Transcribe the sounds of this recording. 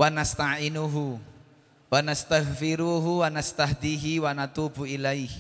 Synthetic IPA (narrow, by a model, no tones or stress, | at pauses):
wanast̪aʕɪnuɦu | wanast̪aɣfɪɾuɦuwanast̪aɦd̪iːɦiwanat̪ubuʔilajh